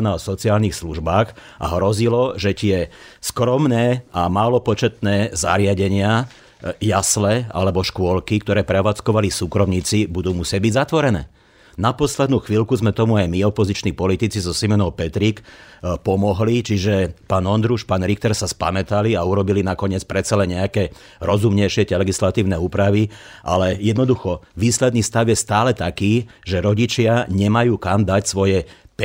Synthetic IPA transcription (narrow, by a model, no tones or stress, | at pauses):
naɔsɔt͡siaːlnixsluʒbaːx | ʔa̰ɦɾɔzilɔʒɛt̪ɪɛskɾɔmnɛːamaːlɔpɔt͡ʃɛt̪nɛːza̰ɾɪaɟɛɲɪa | jaslɛa̰lɛbɔʃkʊɔlkik̚t̪ɔɾɛːpɾɛʋaːt͡skɔʋalisuːkɾɔmɲiːt͡sibud̪uːmusɪaɟ̚biɟzat̪ʋɔɾɛnɛ̰ː | napɔslɛd̪nuːxʋilkuzmɛt̪ɔmuajmiɔpɔzit͡ʃniːpɔlit̪it͡sizɔsimɔnɔʊpɛt̪ɾikpɔmɔɦlit͡ʃiʒɛpaːnɔnd̪ɾuʃpaːnɾixt̪ɛɾsaspa̰mɛt̪aliauɾɔbilinakɔɲɪɛt͡spɾɛt̪t͡salɛnɲɛakɛː | ɾɔzumɲɛjʃɪɛtɛlɛɡislat̪iːʊnɛuːpɾaʋiʔa̰lɛjɛd̪nɔd̪uxɔʋiːslɛd̪niːst̪aʊjɛst̪aːlɛt̪akiːʒɛɾɔɟit͡ʃɪaɲɛmajuːkamd̪acsʋɔjɛp